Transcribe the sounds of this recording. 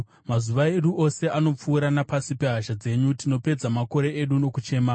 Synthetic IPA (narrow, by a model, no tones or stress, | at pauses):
mazuʋae̞ɗuʔo̞se̞ʔano̞p͡fuːɾanapasipe̞ɦaʃad͡ze̞ɲutino̞pe̞d͡zamako̞ɾe̞eɗuno̞kut͡ʃe̞ːma